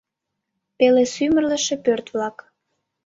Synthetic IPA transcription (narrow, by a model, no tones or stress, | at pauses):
pelesymərlə̆ʃĕpørt̪βlɑk